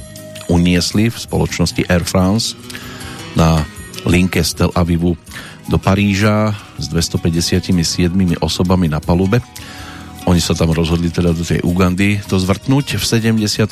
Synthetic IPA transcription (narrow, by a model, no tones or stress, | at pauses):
uɲɪɛslifspɔ̰lɔt͡ʃnɔsciʔɛɾfɾans | naliŋkɛst̪ɛlʔaʋiʋu | d̪ɔpaɾiːʒa | zd̪ʋɛst̪ɔpɛɟɛsɪacimisɪɛd̪mimiʔɔsɔbaminapalubɛ | ʔɔɲisat̪amɾɔzɦɔd̪lit̪ɛd̪ad̪ɔt̪ɛ̰jʔuɡand̪it̪ɔzʋr̩t̪nuːcfsɛɟɛmɟɛsɪat̪